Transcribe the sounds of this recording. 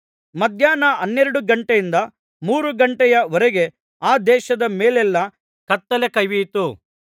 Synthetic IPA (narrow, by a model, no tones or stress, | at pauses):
mɐd̪ʱjaːnɐʔɐnːeɾɐɽuɡɐɳʈejind̪ɐ | muːɾuɡɐɳʈɛjɐʋɔɾɛɡe̞ | aːd̪ɛːʃɐd̪ɐmeːlɛlːɐ | kɐt̪ːɐlekɐjʋijt̪u